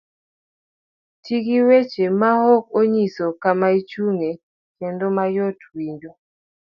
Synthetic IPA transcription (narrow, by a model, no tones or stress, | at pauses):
tʰiɡiwet͡ʃemahɔk̚oɲisokamait͡ʃuŋe | kendomajotwiɲd͡ʒo